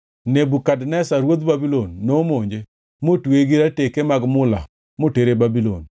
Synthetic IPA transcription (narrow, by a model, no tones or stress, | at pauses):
nebukadnɛsaɾwod̪babilonːomoɲd͡ʒe | motweɡiɾatekemaɡmʊla̰ | moteɾebabilo̰n